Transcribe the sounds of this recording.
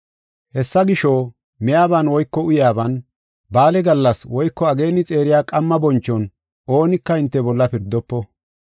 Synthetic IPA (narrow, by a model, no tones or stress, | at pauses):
hɛsːɐɡɪʃo | mɛjaːbɐnwɔjkːɔʊjaːbɐn | baːlɛɡɐlːɐswɔjkːɔɐɡe̞ːnːɪt͡sʼe̞ːɾɪjaːkʼɐmːɐbɔnt͡ʃːɔn | o̞ːnɪkːɐɪnt̪ːɛbɔlːɐpɪɾd̪ːɔpːɔ